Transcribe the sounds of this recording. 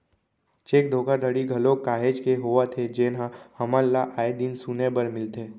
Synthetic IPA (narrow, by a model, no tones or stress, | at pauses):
t͡ʃeːk̚d̪ʱoːkəɾd̪əɽiɡʱɐlokaːɦeːd͡ʒkeɦoat̪ʰed͡ʒeːnɦãhɐməlːaʔaːed̪insunebəɾmɪlt̪ʰeː